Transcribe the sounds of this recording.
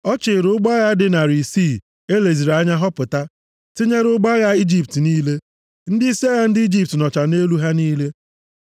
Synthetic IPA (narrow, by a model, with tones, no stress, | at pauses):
ɔ˦t͡ʃɪ˨ɾʊ˦ɡ͡ba˦ɣa˦dɪ˨na˨ɾi˨si˦˨ | e˦le˨zi˨ɾa˦ɲa˦ɦɔ˦pʊ˨ta˦ | tɪ˦ɲe˦ɾʊ˦ɡ͡ba˦ɣa˦i˦d͡ʒi˦p̚tniː˦le˦ | n̩˦dɪ˦i˦si˦a˦ɣa˦n̩˦dɪ˦i˦d͡ʒi˨p̚tnɔ˨t͡ʃa˨ne˦lu˦ɦa˦niː˦le˦